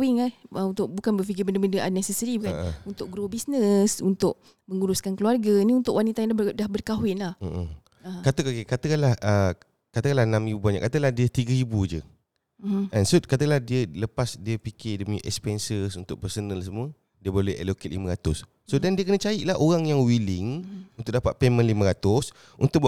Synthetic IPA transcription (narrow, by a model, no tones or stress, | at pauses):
wɪŋahəunt̪ʊʔ̚bukanbəfiɡɪbəndəbəndəʔanɛsɛsəɾibukanunt̪ʊʔ̚ɡɾobisnəsunt̪ʊʔ̚ | məŋuɾʊskankəluarɡaniunt̪ʊʔwʔanit̪ajadahbərkaɦwɪnlahm̩ʔ | kat̪əkakekat̪əkalahə | kat̪əkalahnãmibubaɲa̰ʔkat̪əlahdiət̪iɡaibud͡ʒə̰ | ansot̪̚kat̪əlahdiələpasdiəpikɪdəməɲəʔɛ̰kspɛnsəsunt̪ʊk̚pərsənəlsəmuə | diəbolɛhɛ̰loket̪̚limə̃ɾat̪ʊsːodandiəkənət͡ʃaiʔlaɦʔoɾaŋjaŋwilɪŋunt̪ʊk̚dapat̪̚pemə̃nlimə̃ɾat̪ʊs | unt̪ʊk